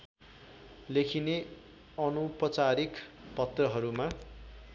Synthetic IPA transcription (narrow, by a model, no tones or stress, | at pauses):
lekʰine | ʌnupʌt͡saɾikpʌt̪rʌɦʌɾuma